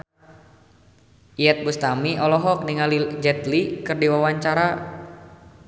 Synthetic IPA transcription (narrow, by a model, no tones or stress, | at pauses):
ʔiɛt̪̚bust̪amiʔɔlɔɦɔk̚niŋalid͡ʒɛt̪likɨrdiwawaɲt͡ʃaɾa